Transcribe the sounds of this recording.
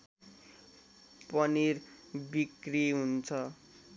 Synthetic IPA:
pʌnirbikriɦunt͡sʰʌ

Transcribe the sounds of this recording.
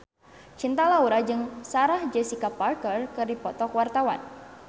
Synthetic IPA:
t͡ʃint̪alauɾad͡ʒɨŋsaɾahd͡ʒɛsikaparkərkɨrdipɔt̪ɔkwart̪awa̰n

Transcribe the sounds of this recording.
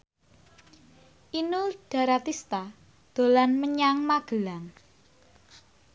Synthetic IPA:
ʔinuɖ̥a̤ɾat̪ist̪a | d̪̥o̤lanməɲaŋmaɡ̥ə̤laŋ

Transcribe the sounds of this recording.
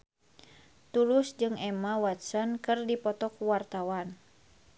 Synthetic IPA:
t̪ulusd͡ʒɨŋɛmawat̪sənkɨrdipɔt̪ɔkuwart̪awan

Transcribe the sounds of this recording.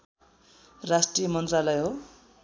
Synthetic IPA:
rasʈrijʌmʌnt̪ralʌjɦo

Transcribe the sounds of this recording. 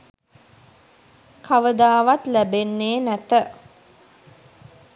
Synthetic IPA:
kʰaʋəd̪aːʋat̪læbenːeːnæt̪ə

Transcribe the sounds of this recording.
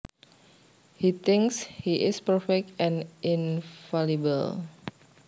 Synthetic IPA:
hit̪ɪ̃ŋkshiʔɪspəɹfɛk̚tɛ̃nʔɪnfalibə̰l

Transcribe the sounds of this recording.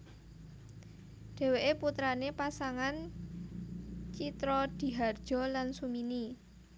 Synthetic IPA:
ɖ̥e̤weʔeput̪ɾanepasaŋan | t͡ʃit̪ɾɔd̪̥i̤ɦard̥ʒ̥ɔ̤lansumini

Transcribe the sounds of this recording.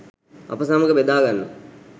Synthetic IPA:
ɐ̰pəsaməɡəbed̪aːɡanːṵ

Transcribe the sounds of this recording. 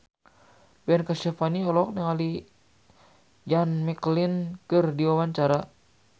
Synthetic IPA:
bɛnkasɛfaniɔlɔk̚nɛŋali | d͡ʒanmɛklinkɨrdiwawaɲt͡ʃaɾa

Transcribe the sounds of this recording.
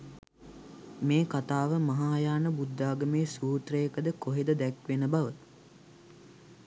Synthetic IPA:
meːkat̪aːʋəmɐɦaːjaːnəbud̪ːaːɡəmeːsuːt̪rəjəkəd̪əkoɦed̪əd̪ækʋenəbaʋət̪

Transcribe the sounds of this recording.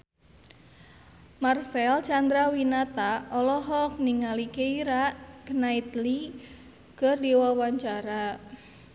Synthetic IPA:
marsɛlt͡ʃand̪ɾawinat̪aɔlɔɦɔk̚niŋalikeiɾaʔknait̪li | kərdiwawaɲt͡ʃaɾa

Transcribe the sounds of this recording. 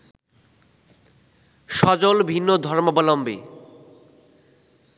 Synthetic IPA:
ʃɔd͡ʑolbʱinːod̪ʱɔɾmobɔlɔmbḛ

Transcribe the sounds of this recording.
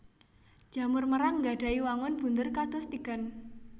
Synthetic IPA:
d͡ʒ̥a̤mʊrməɾaŋɡaɖ̥a̤iwaŋʊnb̥ṳnd̪ərkad̪̥ɔ̤st̪iɡ̥a̤n

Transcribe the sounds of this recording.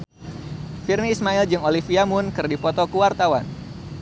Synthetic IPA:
firniːsmaild͡ʒɨŋolifiamʊnkɨrdipɔt̪ɔkuwart̪awa̰n

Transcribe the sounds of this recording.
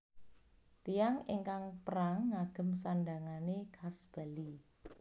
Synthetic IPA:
t̪ijaŋeŋkaŋpəɾaŋːaɡ̥ə̤msanɖaŋanekʰasb̥ali

